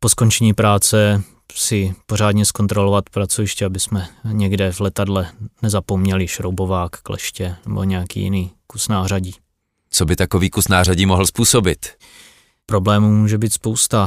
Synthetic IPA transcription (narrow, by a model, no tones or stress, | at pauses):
po̞sko̞nt͡ʃɛɲiːpɾaːt͡sɛ | sɪpo̞r̝aːdɲɛsko̞nt̪ɾo̞lovat̪pɾat͡sovɪʃcɛabɪsmɛɲɛɡdɛvlɛt̪adlɛnɛzapomɲɛlɪʃɾowbo̞vaːkːlɛ̰ʃcɛnɛbo̞̰ɲɛjakḭːjɪ̰niːkusnaːraɟiː | t͡sobɪt̪akoviːkusnaːraɟiːmoɦl̩spuːsobɪt̪ | pɾoblɛːmuːmuːʒɛbiːt̪spowst̪a